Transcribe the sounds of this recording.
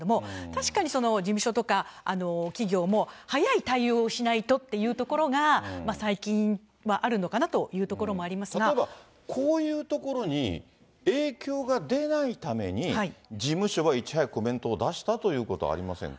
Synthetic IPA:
d̪omo̞t̪aɕi̥kaɲ̟iso̞no̞d͡ʑimɯ̟ɕo̞t̪o̞kaano̞kʲiɡʲo̞ːmo̞hajait̪aio̞ːɕinait̪o̞t̪ːe̞jɯ̟ːt̪o̞ko̞ɾo̞ɡamasaikʲĩɰ̃ | βaʔaɾɯ̟no̞kanat̪o̞jɯ̟ːt̪o̞ko̞ɾo̞mo̞aɾʲimasɨaɡaeba | kʰo̞ːjɯ̟ːt̪o̞ko̞ɾo̞ɲ̟ḭ | e̞ːkʲo̞ːɡad̪e̞nait̪ame̞ɲ̟ihaid͡ʑimɯ̟ɕo̞βait͡ɕi̥hɦaiko̞mẽ̞nt̪o̞ːd̪aɕi̥t̪at̪o̞jɯ̟ːko̞t̪o̞a̰ɾʲimasẽ̞̰ŋ

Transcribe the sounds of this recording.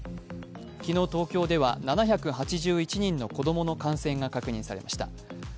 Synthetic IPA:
kʲino̞ːt̪o̞ːkʲo̞ːd̪e̞βa̰nanaçakɯ̟ɦat͡ɕiʑɨːit͡ɕiɲ̟ĩnːo̞ko̞d̪o̞mo̞no̞kãɰ̃sẽ̞ŋɡakakɯ̟ɲ̟ĩsaɾe̞̰mʔa̰ɕi̥t̪a̰

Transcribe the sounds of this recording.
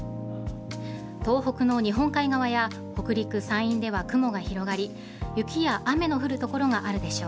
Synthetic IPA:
t̪o̞ːɦo̞kɯ̟no̞ɲ̟iɦõ̞ŋkaiɡaβaja | ho̞kɯ̟ɾʲikɯ̟sãɰ̃ĩnd̪e̞β̞akɯ̟mo̞ɡaçiɾo̞ɡaɾʲi | jɯ̟kʲijaʔame̞no̞ɸɯ̟ɾɯ̟t̪o̞ko̞ɾo̞ŋaʔaɾɯ̟d̪e̞ɕo̞ː

